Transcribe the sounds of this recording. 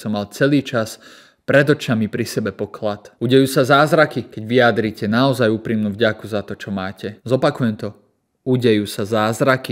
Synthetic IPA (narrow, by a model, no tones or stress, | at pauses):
sɔmːalt͡sɛliːt͡ʃas | pɾɛd̪ɔt͡ʃamipɾisɛbɛpɔklat̪uɟɛjuːsazaːzɾakikɛɟʋiad̪ɾicɛnaɔzajuːpɾimnuːvɟakuzat̪ɔt͡ʃɔmaːcɛzɔpakujɛmt̪ɔ | uɟɛjuːsazaːzɾaki